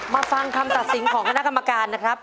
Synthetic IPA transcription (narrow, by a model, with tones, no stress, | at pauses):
maː˧fa˧ŋk̪ʰa˧mt̪a˨t̪̚si˨˩˦nkʰɔː˩˦ŋkʰna˦˥ʔka˧mːa˧kaː˧nːa˦˥kʰɾa˦˥p̚